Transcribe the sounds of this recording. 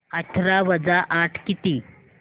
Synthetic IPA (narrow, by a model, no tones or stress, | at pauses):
əʈʰɾaʋəd͡zaʔaʈʰkit̪iː